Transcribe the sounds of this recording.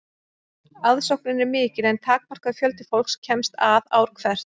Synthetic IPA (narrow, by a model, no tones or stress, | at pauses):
aðsowknɪnɛɾmɪːcɪɾɛnt̪ʰaːk̚mar̥kaðfjœlt̪ɪ̥fowl̥kscʰɛmst̪aða̰ːwɾ̥kʰvɛr̥t̪